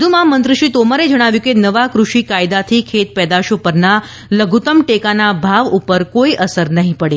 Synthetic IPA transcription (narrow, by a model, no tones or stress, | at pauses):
d̪ʱumãmənt̪ɾəʃit̪omaɾed͡ʒəɽ̃aʋjũkenəʋakɾuʃikajd̪at̪ʰikʰet̪̚pɛd̪aʃopəɾna | ləɡʱut̪əmʈekanabʱaʋupəɾkoiʔəsəɾnəɦĩpəɽe